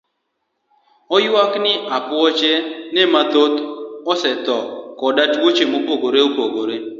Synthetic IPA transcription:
ɔjwaknɪʔapʊɔt͡ʃenɛmat̪ot̪ɔsɛt̪ɔkɔdatwot͡ʃemopoɡoɾeopoɡoɾe

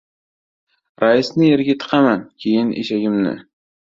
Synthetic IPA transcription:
ɾajɪsnɪjeɾɡʲat̪ʰɨ̥qʰɑmankʲʰejɪnʔḛʃaɡʲɪmnɪ̰

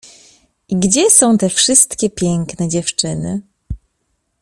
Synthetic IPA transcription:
ʔiɡd͡ʑɛsɔ̃w̃t̪ɛfʂɘst̪kʲɛpʲjɛŋknɛd͡ʑɛft͡ʂɘnɘ

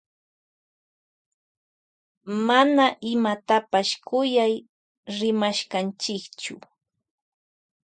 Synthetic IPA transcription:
manaʔɪmat̪apaʃkʊjaj | ɾɪmaʃkant͡ʃɪkt͡ʃʊ

